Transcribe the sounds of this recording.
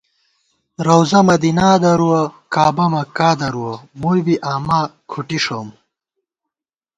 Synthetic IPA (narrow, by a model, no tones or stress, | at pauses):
ɾɐwzɐmɐd̪inaːd̪ɐɾuwɐkaːbɐmɐkaːd̪ɐɾuwɐmulbiʔaːmaːkʰuʈiʂɐwm